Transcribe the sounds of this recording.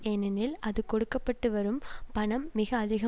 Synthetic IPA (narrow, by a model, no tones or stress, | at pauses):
enɐnɪlɐðɯkɔɽɯkːɐpːɐʈːɯʋɐɾɯmpɐɳɐmːɪɣɐːðɪɣɐ